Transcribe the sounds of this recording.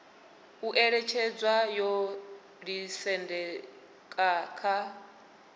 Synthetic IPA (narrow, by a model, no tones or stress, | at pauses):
uʔɛɺɛt͡ʃʰɛd͡zwajɔ | ɺisɛndɛ | kʼaːkʰa